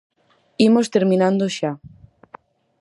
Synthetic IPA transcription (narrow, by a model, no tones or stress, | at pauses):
imost̪eɾmĩnãnd̪oʃa